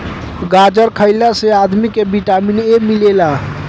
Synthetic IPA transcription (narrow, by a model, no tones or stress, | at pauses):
ɡad͡ʒəɾkʰəɪlasead̪mikebiʈaminemilela